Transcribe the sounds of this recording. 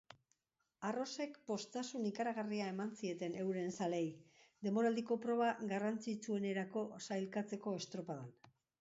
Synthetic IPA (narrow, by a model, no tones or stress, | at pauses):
aro̞se̞kpo̞st̪asunikaɾaɣariae̞mansie̞t̪e̞ne̞wɾe̞nsale̞jd̪e̞mo̞ɾald̪iko̞pɾo̞β̞aɣarant͡sit͡sue̞ne̞ɾako̞sajlkat͡se̞ko̞e̞st̪ɾo̞paðan